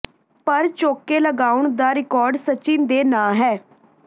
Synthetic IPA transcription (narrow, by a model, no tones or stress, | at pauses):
pəɾt͡ʃoːkeːləɡaːʊɳd̪aːɾɪkɔːɾɖsət͡ʃĩnd̪eːnãːɦɛː